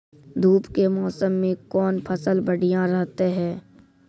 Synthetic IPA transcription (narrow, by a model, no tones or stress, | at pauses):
d̪ʱuːpkemɔːsəmːẽkɔːnpʰəsəlbəɽijãɾɛɦt̪eɦɛː